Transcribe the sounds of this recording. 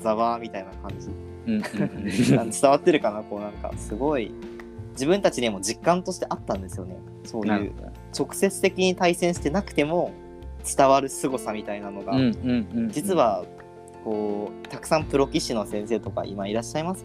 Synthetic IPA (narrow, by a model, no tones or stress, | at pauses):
zaβaːmʲit̪ainakãɲ̟d͡ʑi | ant͡sɨ̥t̪aβat̪ːe̞ɾɯ̟kanako̞ːnãŋka̰sɨɡo̞i | d͡ʑibɯ̟̃nt̪at͡ɕid̪emo̞d͡ʑikːãnt̪o̞ɕi̥t̪e̞ʔat̪ːãnd̪e̞sɨjo̞ne̞ | so̞ːjɯ̰ː | t͡ɕo̞kɯ̟̥se̞t͡sɨ̥t̪e̞kʲiɲ̟it̪aisẽɕi̥t̪e̞nakɯ̟̥t̪e̞mo̞ | t͡sɨ̥t̪aβaɾɯ̟sɨɡo̞samʲit̪ainano̞ɡa | d͡ʑit͡sɨβa | ko̞ːt̪akɯ̟̥sãmpɯ̟ɾo̞kʲiɕino̞sẽ̞ɰ̃se̞ːt̪o̞ka̰ʔḭmaiɾaɕːaimasɨ̥